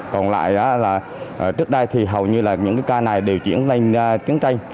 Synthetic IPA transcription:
kɔ˨˩nla̰ː˧˨jʔaː˨˦laː˨˩ | ʔəː˧˨˩t͡ɕɨ˦˥ək̚ɗə˧jt̪ʰi˨˩ɦə˨˩wɲɨ˧laː˨˩ɲɨ̰˧˥ŋkaː˨˦jkaː˧na˨˩jɗe˨˩wt͡ɕḭ˧˥ənta˧jŋː˧t̪i˨˦ənt͡ɕa˧j

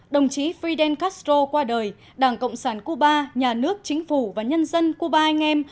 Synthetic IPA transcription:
ɗə˨˩wŋ͡mt͡ɕi˨˦fɾi˧ɗɛ˧nkaː˦˥sto˧kwaː˧ɗəː˨˩j | ɗaː˧˩ŋkə̰˧˨wŋ͡msaː˧˩nku˧ɓaː˧ɲaː˨˩nɨ˦˥ək̚t͡ɕï˨˦ŋ̟fu˧˩vaː˨˩ɲə˧nzə˧nku˧ɓaː˧ʔɛ˧jŋ̟ʔɛ˧m

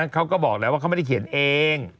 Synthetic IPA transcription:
kʰa˦˥wkɔː˥˩bɔː˨˩k̚lɛ˧˦˥waː˥˩a˥˩m˥˩a˥˩kʰi˩˦nʔeː˧ŋ

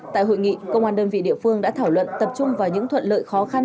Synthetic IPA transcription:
t̪a̰ː˧˨jɦo̰˧˨jŋḭ˧˨kə̰˧wŋ͡mhwaː˧˩nɗəː˧nvḭ˧˨ɗḭ˧˨əfɨ˧əŋɗa̰ː˧˥t̪ʰaː˧˩wlwə̰˧˨nt̪ə˨˩p̚t͡ɕʊ˧ŋ͡mvaː˨˩wɲɨ̰˧˥ŋt̪ʰwə̰˧˨nlə̰ː˧˨jxɔ˨˦xa˧n

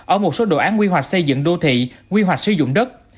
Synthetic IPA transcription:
ʔəː˧˩mo˨˩t̚so˨˦ɗo̰˧˨ʔaː˨˦nkwi˧ɦwa˨˩jk̚sə˧jzɨ̰˧˨ŋɗo˧t̪ʰḭ˧˨kwi˧ɦwa˨˩k̟̚sɨ˧zʊ̰˧˨ŋ͡mɗə˦˥t̚

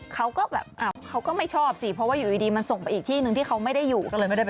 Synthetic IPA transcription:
kʰa˦˥wkɔː˥˩bɛ̰ː˨˩p̚ʔaː˧˩wkʰa˦˥wkɔː˥˩ma˥˩jt͡ɕʰɔː˥˩p̚si˧˩pʰɾɔ˦˥waː˥˩juː˨˩ʔiː˧diː˧ma˧nso˨˩ŋpa˧jʔiː˨˩k̚t̪ʰiː˥˩nɯ˨˧ŋt̪ʰiː˥˩kʰa˦˥wma˥˩jda˥˩jːuː˨˩ɔ˥˩lɤː˧jma˥˩da˥˩˨

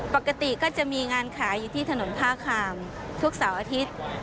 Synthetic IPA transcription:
pa˨˩kːa˧t̪i˨˩kɔː˥˩t͡ɕa˨˩miː˧ŋaː˧nkʰaː˩˦juː˨˩t̪ʰiː˥˩t̪ʰa˧no˩˦np̪ʰaː˥˩kʰaː˧m | t̪ʰu˦˥k̚saː˩˦wʔaː˧t̪ʰi˦˥t̪̚

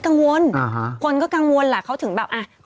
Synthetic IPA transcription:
ka˧ŋŋu˧əna˨˩ɦa˧˦kwə˧˩nkɔː˨˦ka˧ŋŋu˧ənlaː˨˩xa˧˦t̪ʰɨ˨˧˩ŋɓaː˧˩wʔaː˧

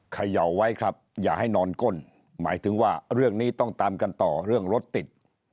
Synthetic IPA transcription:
kʰa˧ja˨˩wːa˦˥jkʰɾa˦˥p̚jaː˨˩k̚ha˥˩jnɔː˧nko˥˩n | maː˩˦jt̪ʰɯ˩˦ŋwaː˥˩ɾɯ˥˩əŋniː˦˥t̪ɔ˥˩ŋt̪aː˧mka˧nt̪ɔː˨˩ɾɯ˥˩əŋɾo˦˥t̪ːi˨˩t̪̚

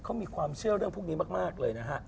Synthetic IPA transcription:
kʰa˦˥wmiː˧kʰwaː˧mt͡ɕʰɯ˥˩əɾɯ˥˩əŋpʰu˥˩niː˦˥maː˥˩k̚maː˥˩k̚lɤː˧jna˦˥˩kʰa˦˥˩

